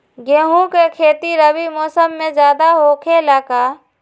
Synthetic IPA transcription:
ɡeːɦũkekʰeːt̪iɾəwimɔːsəmːẽd͡ʒjaːd̪aɦokʰelaːkaː

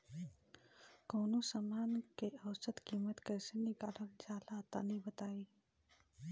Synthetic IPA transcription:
koːnosamaːnkeɐːsət̪kiːmət̪kəsenɪɡaːɽənd͡ʒaːlat̪a̰nəɦĩbət̪aːiː

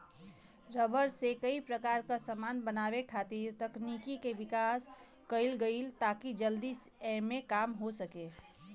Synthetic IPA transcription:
ɾəbəɾsekəipɾəkaːɾkasəmaːnbənaːwekʰat̪iɾt̪əknikikebɪkaːs | kəɪlɡəɪlt̪aːkid͡ʒəld̪isɛmẽkaːmɦosəke

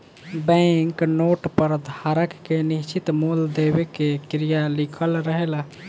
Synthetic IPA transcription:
bə̃ŋknoʈpəɾd̪ʱaɾəkːenist͡ʃit̪muld̪ebekekɾijalikʰəlɾəɦela

